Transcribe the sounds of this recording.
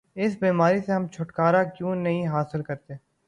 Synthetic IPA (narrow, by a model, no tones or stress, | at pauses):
ɪsbiːmaːɾiseɦɐmt͡ʃʰʊʈkaːɾakjũːnɐɦĩɦaːsɪlkɐɾt̪e